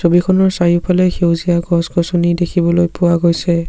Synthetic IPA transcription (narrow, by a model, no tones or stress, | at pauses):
sobikʰɔnɔɹsajupʰalɛxewzijaɡɔsɡɔsunidekʰibɔlojpʊwaɡojsɛ